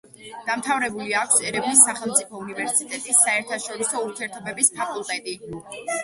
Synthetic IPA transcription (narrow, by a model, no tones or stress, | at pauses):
d̪̥amt̪ʰavɾɛbuliakʰʷsɛɾɛbnisːaχɛlˠmt̪sʼipʰɔunivɛɾsit̪ʼɛt̪ʼisːaɛɾt̪ʰaʃɔɾisɔuɾt̪ʰiɛɾt̪ʰɔbɛbispʰakʼulˠt̪ʼɛt̪ʼi